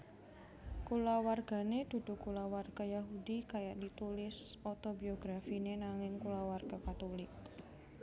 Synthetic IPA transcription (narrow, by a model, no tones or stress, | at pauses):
kulawarɡ̥a̤ned̥ud̥ṳkulawarɡ̥ajaɦudikajaʔdit̪ulɪs | ɔt̪obioɡɾafinenaŋɪŋkulawarɡ̥akat̪olɪk̚